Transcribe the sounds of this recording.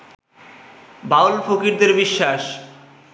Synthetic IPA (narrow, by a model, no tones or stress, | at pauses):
bawlfʰokiɾd̪eɾbiʃːaʃ